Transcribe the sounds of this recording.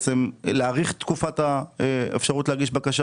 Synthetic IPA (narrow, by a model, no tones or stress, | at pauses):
t͡semleaʁiχt̪kufataeḛfʃaʁutleaʁɡiʃbakaʃa